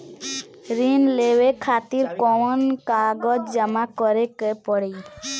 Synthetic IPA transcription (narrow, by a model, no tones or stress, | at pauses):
ɾinleʋekʰat̪iɾkɔɔnkaɡɔd͡ʒd͡ʒəmakɔɾekepɔɽe